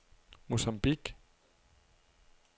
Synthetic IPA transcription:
musambik

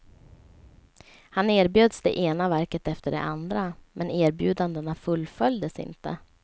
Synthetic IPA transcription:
haneːɾbjøːd̪sd̪ɛ̰ʔeːnavæɾkət̪ɛft̪əɖɛ̰ʔand̪ɾamɛneːɾbjʉ̟ːd̪and̪ənafɵlːfœljd̪əsɪ̰nt̪ə̰

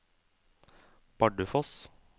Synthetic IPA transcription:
b̥ɑɖəfɔs

